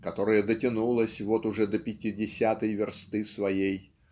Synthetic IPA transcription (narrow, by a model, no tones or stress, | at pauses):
kɐt̪o̞ɾɨjəd̪ətʲɪnulˠəsʲvot̪ʊʐɛd̪əpʲɪtʲɪdʲɪsʲat̪əjvʲɪrst̪ɨsvɐjej